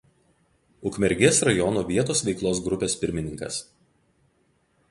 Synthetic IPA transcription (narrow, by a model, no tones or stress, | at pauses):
ʊkmʲɛɾʲɡʲesɾɐjɔnoːʋʲiɛt̪oːsʋʲɛɪklˠoːs̬ɡɾʊpʲeːspʲɪɾʲmʲɪnʲɪŋkɐ̰s